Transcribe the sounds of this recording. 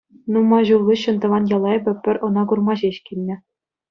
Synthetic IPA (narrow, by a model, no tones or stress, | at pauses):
numɑʑulˠlʲuɕːɤ̆nt̪ɤ̆ʋɑnjɑlˠɑj̆bʲɘ̆pʲɘ̆rʲɤ̆nɑkurmɑʑeɕkʲilʲnʲɘ̆